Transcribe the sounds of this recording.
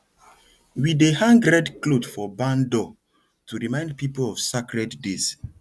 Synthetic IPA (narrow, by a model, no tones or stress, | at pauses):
widehãŋɡɾɛdklodfɔbãndɔ | tʰuɹimãɪ̃nd̚pipolɔv̥sakɹɛtdes